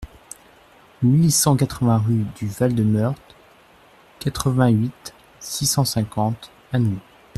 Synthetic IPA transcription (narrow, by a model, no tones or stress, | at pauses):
milisɑ̃kat̪χəvɛ̃ʁyd̪yvald̪əmœʁt̪χ | kat̪χəvɛ̃ɥit̪ | sisɑ̃sɛ̃kɑ̃t̪ | anwi